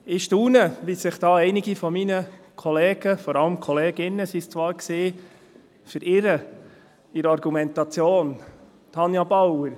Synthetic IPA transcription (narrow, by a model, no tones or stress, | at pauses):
ɪʃtuːnəʋisɪχd̥ɑːɛɪnɪɡifɔminəkʰɔleːɡ̥əfɔɾɑləmkʰɔleːɡɪnːəsist͡sʋɑːɾksɪː | fʏɾɪɾə | ɪɾɑɾɡumɛntɑt͡sjoːn | tʰɑnjɑbɑwəɾ